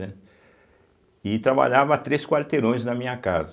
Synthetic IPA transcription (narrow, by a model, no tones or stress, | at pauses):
ɛ | ɪt̪ɾaba̰ʎavɐt̪ɾeskwaɾt̪eɾõj̃znɐmĩɲɐka̰zɐ